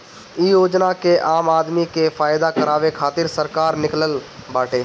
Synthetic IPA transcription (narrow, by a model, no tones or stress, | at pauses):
ijoːd͡ʒnakeʔaːmaːd̪mikefaːjd̪akəɾaːʋekʰaːt̪ɪɾsəɾkaːɾnɪkləlbaːʈeː